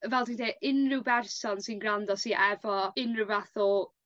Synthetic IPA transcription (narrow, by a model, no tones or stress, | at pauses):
vɛlˠdindeːɪnrɪwbɛrsɔnsɪnɡrandɔsiʔɛvɔɪnrɨwvaθʊ